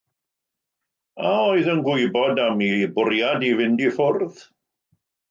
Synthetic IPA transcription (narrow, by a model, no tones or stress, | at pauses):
aoɨðənɡwʊɨbɔdamibʊrjadivɪndifʊrð